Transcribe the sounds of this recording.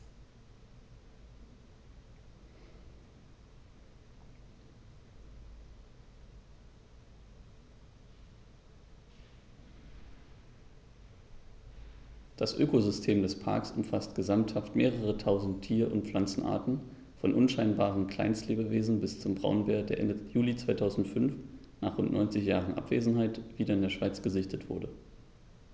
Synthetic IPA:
d̥asʔøːkozʏstʰeːmdɛspʰa̰ɐksʊmfastɡ̥əzamthaftmeːʁəʁ̞ətʰaʊzn̩tʰːiːɐʔʊ̰ntfl̥ant͡sn̩ʔa̰ːɐtn̩ | fɔnʔʊnʃaɪnbaːʁ̞ənkʰl̥a̰ɪnstleːbəveːzn̩bɪst͡sʊmbʁaʊnbeːɐdeːɐʔɛ̰ndəjuːlit͡sv̥aɪtʰaʊzn̩tfʏnf | naːχʁʊntnʔɔ̰ʏnt͡sɪçjaːʁənʔa̰pv̥eːzn̩ɦaɪtv̥iːdɐɪndeːɐʃv̥aɪt͡sɡ̥əzɪçtʰətv̥ʊ̰ɐdə

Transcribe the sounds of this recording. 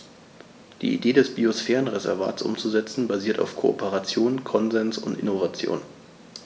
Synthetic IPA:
d̥ḭːʔḭdeːdɛsb̥iosfɛːʁənʁezɛ̰ɐva̰ːtsʔʊ̰mt͡suzɛt͡sn̩baziːɐta̰ʊfkʰoʔo̰pʰəʁat͡sjoːnkʰɔnzɛnsʊ̰ntɪ̰novat͡sjo̰ːn

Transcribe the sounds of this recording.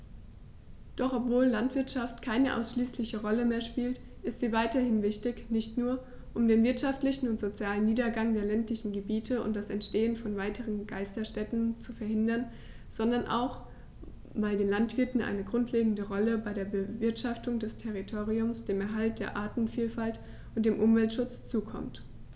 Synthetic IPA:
d̥ɔχɔpv̥oːlːantv̥ɪɐtʃaftkʰaɪnəʔa̰ʊsʃliːslɪçəʁɔləmeːɐʃpiːlt | ʔɪstz̥iːvaɪtɐhɪnvɪçtɪçnɪçtnuːɐ | ʔʊmdeːnvɪɐtʃaftlɪçn̩ʊntz̥ot͡sjaːlənːiːdɐɡaŋdeːɐlɛntlɪçn̩ɡəbiːtʰəʊ̰ntd̥asɛntʃteːənfɔnvaɪtʰəʁ̞ənɡ̥aɪstɐʃtɛtn̩t͡sufɛɐhɪndɐn | z̥ɔndɐnʔa̰ʊx | vaɪldeːnlantv̥ɪɐtn̩ʔa̰ɪnəɡʁʊntʰleːɡŋ̩dəʁɔləbaɪɾeːɐbəvɪɐtʃaftʊŋdɛstʰɛʁitʰoːʁ̞iʊmsd̥eːmɛɐɦalt̚d̥eːɐʔaːtn̩fiːlfalt | ʊntd̥eːmʔʊmvɛltʃʊt͡st͡suːkʰɔ̰mt

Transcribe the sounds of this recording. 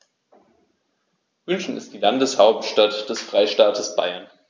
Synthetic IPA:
vʏnʃn̩ɪstd̥iːlandəshaʊp̚tʃtatd̥ɛsfʁ̥aɪʃtaːtʰəsb̥a̰ɪɐn

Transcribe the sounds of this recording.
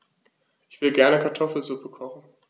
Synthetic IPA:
ʔɪçv̥ɪdəɡɛɐnəkʰaɐtʰɔfl̩zupəkʰɔχn̩

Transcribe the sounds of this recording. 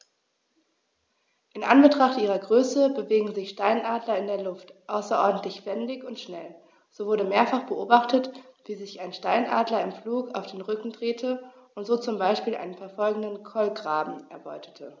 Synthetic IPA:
ʔɪnʔa̰nbətʁ̥aχtʔiːʁ̞ɐɡʁøːsəbəveːɡŋ̩zɪçʃtaɪnʔaːdlɐɪndeːɐlʊftʔaʊsɐʔɔɐdn̩tlɪçfɛndɪçʊntʃnɛl | z̥oːvʊɐɾəmeːɐfaχb̥əʔoːbaχtətv̥iːzɪçaɪnʃtaɪnʔa̰ːdlɐɪmfluːkaʊfd̥eːnʁʏkŋ̩dʁeːtʰəʔʊntz̥oːt͡sʊmbaɪʃpiːlʔa̰ɪnənfɛɐfɔlɡŋ̩dənkʰɔlɡʁaːbm̩ʔɛɐbɔʏtʰə̥tʰə

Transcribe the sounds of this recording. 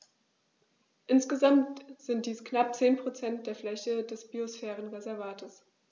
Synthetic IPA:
ʔɪnsɡ̥əzamtz̥ɪnt̚d̥iːsknap̚t͡seːnpʁ̥ot͡sɛnt̚d̥eːɐflɛçədɛsb̥iosfɛːʁənʁɛzɛɐvaːtʰəs

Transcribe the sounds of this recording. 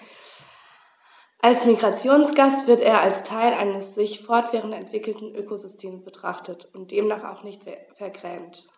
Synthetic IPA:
ʔalsmiɡʁat͡sjoːnsɡ̥astv̥ɪɐteːɐalstʰaɪlʔa̰ɪnəsz̥ɪçfɔɐtv̥ɛːʁ̞əntɛntv̥ɪkl̩tn̩ʔøːkozʏstʰeːmsb̥ətʁ̥a̰χtətʊnt̚d̥eːmnaːχa̰ʊxnɪçtfɛɐɡʁɛːmt

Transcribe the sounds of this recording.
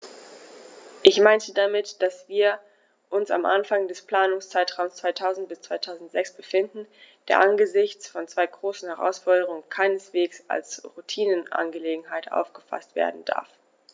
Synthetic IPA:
ʔɪçmaɪntədamɪtd̥asv̥iːɐ | ʔʊnsa̰mʔanfaŋdɛspl̥aːnʊŋst͡saɪtʁ̥aʊmst͡sv̥aɪtʰaʊzn̩t̚b̥ɪst͡sv̥aɪtʰaʊzn̩tz̥ɛksb̥əfɪndn̩d̥eːɐʔanɡəzɪçt͡sfɔnt͡sv̥aɪɡʁoːsn̩hɛʁa̰ʊsfɔɐdəʁʊŋənkʰaɪnəsv̥eːksa̰lsʁutʰiːnənʔa̰nɡəleːɡŋ̩ɦaɪtʔa̰ʊfɡ̥əfa̰stv̥ḛːɐdn̩d̥a̰ɐf

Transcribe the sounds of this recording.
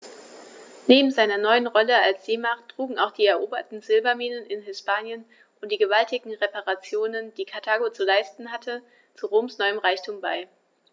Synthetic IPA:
neːbm̩zaɪnɐnɔʏənʁɔləalsz̥eːmaχtʁ̥uːɡŋ̩aʊxχd̥iːɛɐʔoːbɐtn̩zɪlbɐmiːnənɪnɦɪspaːnjən | ʔʊntd̥iːɡəvaltɪɡŋ̩ʁepaʁat͡sjoːnənd̥iːkʰaɐtʰaːɡot͡sulaɪstn̩ɦatʰə | t͡suʁoːmsnɔʏəmʁaɪçtʰuːmbaɪ

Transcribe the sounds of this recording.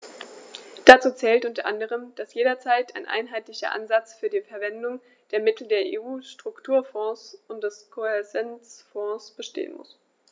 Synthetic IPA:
d̥at͡suːt͡sɛːltʔʊntɐʔandəʁ̞əmd̥asjeːdɐt͡saɪtaɪnʔa̰ɪnɦaɪtlɪçɐ̰ʔa̰nzat͡sfyːɐdiːfɛɐvɛndʊŋ | d̥eːɐmɪtl̩deːɐʔeːʔuːʃtʁ̥ʊktʰuːɐfɔ̃ːsʔʊntd̥ɛskʰoɛɐzɛnt͡sfɔ̃ːsb̥əʃtḛːə̰nmʊ̰s

